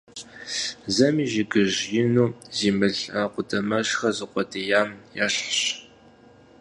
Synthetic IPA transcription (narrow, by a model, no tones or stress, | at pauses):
zɐmiːʒiɡɨʑjɪnuːziːmɨɮaqʷʊdʰɐmɐɕxɐzɨqʷɔdijaːmjaɬɕ